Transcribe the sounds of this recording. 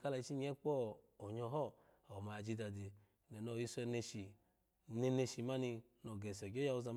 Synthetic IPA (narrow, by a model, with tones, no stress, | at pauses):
ka˧la˧i˧t͡ʃi˦ɲ˦ɛ˦k͡pɔ˦˨ | ɔ˨ɲɔ˧ɦɔ˦˨ | ɔ˨ma˨d͡ʒi˧da˨di˨ | nɛ˨nɔ˧˨ji˧sɛ˧ne˧ʃi˨ | ne˧ne˧ʃi˨ma˦ni˧ | nɔ˨ɡɛ˨sɔ˨ɡɔ˦ja˧u˧za˧m